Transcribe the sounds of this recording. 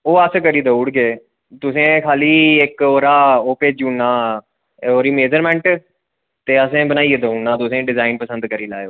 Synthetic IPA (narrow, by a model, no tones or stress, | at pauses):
oːəskəɾiːd̪əuːɽɡeː | t̪ʊsẽːkʰaːliːekoːɾaːoːpeːd͡ʒũːnːaː | oːɾiːmeːd͡ʒəɾmɛ̃ɳʈ | t̪eːəsẽːbənaːied̪əunːaːt̪ʊsẽːɖɪzaːɪnpəsə̃nd̪kəɾiːla̰ːeoː